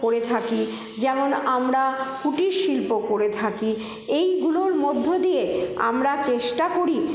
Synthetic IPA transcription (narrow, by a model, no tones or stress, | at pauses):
oɾet̪ʰaki | d͡ʑɛmonamɾakuʈiɾʃilpokoɾet̪ʰaki | ejɡuloɾmod̪ʱːod̪ijea̰mɾat͡ɕeʃʈakoɾi